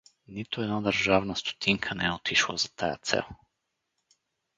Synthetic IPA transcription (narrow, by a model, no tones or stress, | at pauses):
nit̪uɛd̪nad̪əɾʒavnast̪u̥t̪ʰiŋkʰanɛɛɔt̪ʰiʃlˠa̰zat̪ʰaja̰t̪sɛ̰lˠ